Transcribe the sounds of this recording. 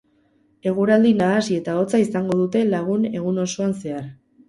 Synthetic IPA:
e̞ɣ̞uɾald̪inaːsie̞t̪ao̞t͡saisaŋɡo̞ðut̪e̞laɣ̞une̞ɣ̞uno̞so̞anse̞aɾ

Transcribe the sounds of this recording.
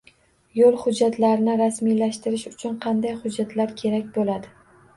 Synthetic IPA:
jolˠhʊd͡ʒːat̪ʰlaɾɪnɪɾasmijlaʃt̪ɪɾɪʃʊt͡ʃʰʊnqʰɑnd̪ajχʊd͡ʒːat̪laɾkʲʰe̞ɾakʲbolad̪ɪ

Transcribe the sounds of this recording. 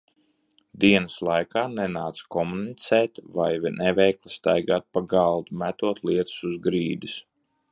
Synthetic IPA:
d̪iɛnəslˠajkaːnɛnaːt̪skɔmunit̪sɛːt̪vajvinʔɛvɛjklˠist̪ajɡaːt̪̚paɡɑlˠd̪umæt̪uɔt̪lˠiɛt̪u̥suzɡɾiːd̪is

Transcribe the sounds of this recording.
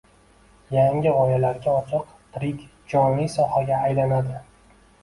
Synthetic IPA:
jaŋɪʁɒjalaɾɡʲaɒt͡ʃʰɨq | t̪ʰɾɪkʲ | d͡ʒɒnlijsɒhaɡʲaːjlanad̪ɪ

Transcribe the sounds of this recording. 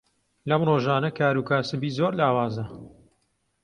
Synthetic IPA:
lɐmroːʒaːnɐkaːɾuːkaːsɨbiːzoːɾlaːwaːzɐ

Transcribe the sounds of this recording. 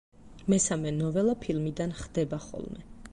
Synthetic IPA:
mɛsamɛnɔvɛlˠapʰilˠmid̪anχd̪ɛbaχɔ̰lˠmɛ

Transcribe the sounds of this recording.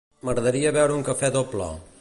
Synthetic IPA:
məɣɾəðəɾiəβɛwɾəuŋkəfɛðoplə̰

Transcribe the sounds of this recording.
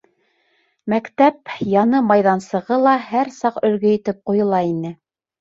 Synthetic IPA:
mækt̪æpjɑnɤmɑjðɑnsɤ̆ʁɤlˠɑhæɾsɑqɵ̆lɡɘ̆jɘ̆t̪ɘp̚qujɤ̆lˠɑinɘ

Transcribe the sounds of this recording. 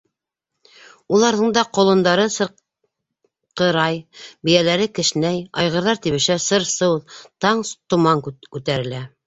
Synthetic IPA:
ulˠɑɾðɤɴd̪ɑqŏlˠɤ̆nd̪ɑɾɤsɤ̆ɾ | qɤ̆ɾɑjbɘ̆jælæɾɘkɘ̆ʃnæjɑjʁɤ̆ɾðɑɾt̪iβɘ̆ʃæsɤɾsɤwðˠt̪ɑɴst̪ŏmɑŋkʉt̪æɾɘ̆læ

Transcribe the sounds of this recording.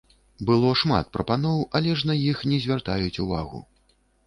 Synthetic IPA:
bɨlˠɔʂma̰t̪̚pɾɐpanɔwɐlʲɛʐnajixnʲɛzʲvʲart̪ajut͡sʲuvaɣṵ

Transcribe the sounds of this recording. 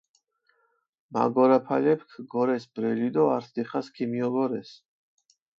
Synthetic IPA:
ma̰ɡɔɾapʰalɛpʰkʰɡɔɾɛsbɾɛlid̪ɔaɾsʰd̪iχaskʰimiɔɡɔɾɛs

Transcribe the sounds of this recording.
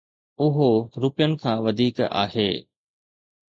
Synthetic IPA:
ʊɦoɾʊpijənɪ̆kʰãːʋɐd̪ʱiːka̰ːɦḛː

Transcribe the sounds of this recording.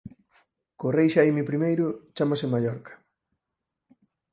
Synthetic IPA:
korejʃajmipɾimejɾʊt͡ʃamasɪmaʎɔɾkɐ̥

